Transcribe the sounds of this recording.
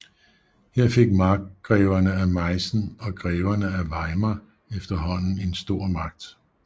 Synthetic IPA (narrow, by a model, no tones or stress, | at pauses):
heɐ̰fe̝ɡ̥̚mɑ̈ːɡ̥ʁɛːʊɐnəæmɑ̈ɪsn̩ɒ̽ɡ̥ʁɛːʊɐnəæʋɑ̈ɪmɐ | efd̥ɐɦɒ̽n̰n̩e̝nsd̥o̝ɐ̰mɑ̈ɡ̥̚d̥